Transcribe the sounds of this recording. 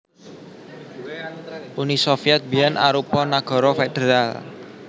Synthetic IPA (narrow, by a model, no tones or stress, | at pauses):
ʔunisɔfiɛt̪̚bianʔa̰ɾupɔnaɡ̥ɔ̤ɾɔfed̪̥eɾal